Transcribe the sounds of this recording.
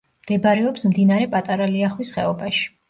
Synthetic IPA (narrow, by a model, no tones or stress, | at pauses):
md̪̥ɛbɾɛɔpsmd̪inaɾɛpʼat̪ʼaɾaliaχwisχɛ̰ɔbaʃi̥